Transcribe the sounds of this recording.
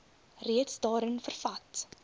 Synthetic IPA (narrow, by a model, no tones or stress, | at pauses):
riətsdɑːɾənfərfɐt